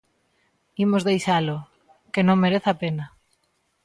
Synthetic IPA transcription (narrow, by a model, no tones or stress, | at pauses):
imozðejʃalo | kenõŋmeɾeθapena